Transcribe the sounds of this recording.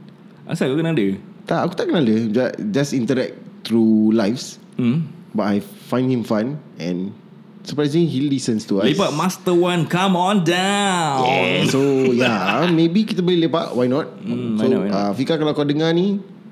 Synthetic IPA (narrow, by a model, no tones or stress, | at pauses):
ʔa̰sakukənaadət̪aʔakut̪aʔkənadəd͡ʒad͡ʒasĩnt̪əɾɛk̚t̪ɾulajfs | batajfãj̃ndhĩmfãn | ɛ̰̃n | səpɹajsliɦilisə̃nst̪ualepaʔ̚mast̪əwãnkãmɔ̃nda | sojamebikit̪əbolilepaʔwajnɔt̚soafikakalaakadəŋani